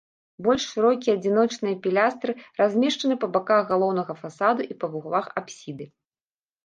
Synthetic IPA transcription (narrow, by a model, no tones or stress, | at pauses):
bɔlʲʂʂɨɾɔkʲiɐːd͡zʲin̪ɔt͡ʂnɨjɐpʲilʲast̪ɾɨrazʲmʲɛʂt͡ʂɐnɨpɐbakaɣɣalˠɔwn̪ɐɣɐfasad̪uʔipɐɣuɣlˠaxapsʲid̪ɨ